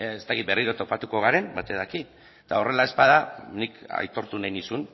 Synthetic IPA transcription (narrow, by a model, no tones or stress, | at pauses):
est̪akit̪be̞riɾo̞t̪o̞pat̪uko̞ɣ̞aɾe̞mbat̪eðaki | t̪ao̞re̞lae̞spað̞anika̰jt̪o̞ɾt̪unajnisun